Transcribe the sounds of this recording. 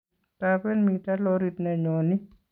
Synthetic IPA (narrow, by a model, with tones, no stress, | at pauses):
tape˦nmi˧ta˦lɔ˦ɾi˨tnɛ˨ɲɔ˨ni˦